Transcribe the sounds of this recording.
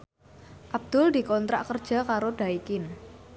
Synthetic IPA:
ʔab̚d̪̥ʊldi̤kɔnt̪ɾa̰ʔkərd̥ʒ̥a̤kaɾod̥aikɪn

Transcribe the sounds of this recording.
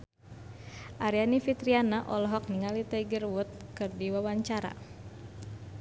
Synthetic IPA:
ʔaɾianifit̪ɾianaʔɔlɔɦɔk̚niŋalit̪ɛiɡərwut̪̚kɨrdiwawaɲt͡ʃaɾa̰

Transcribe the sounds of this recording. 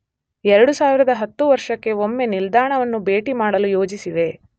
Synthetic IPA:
ɛɾɐɽusaːʋiɾɐd̪ɐɦɐt̪ːuʋɐɾʂɐkːe̞omːe̞nild̪aːɳɐʋɐnːube̞ːʈimaːɽɐlujo̞ːd͡ʒisiʋe̞

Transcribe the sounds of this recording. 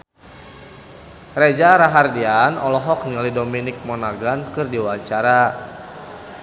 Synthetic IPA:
red͡ʒaɾaɦardianɔ̰lɔɦɔk̚nilidominɪk̚mɔnaɡankɨrdiwaɲt͡ʃaɾa

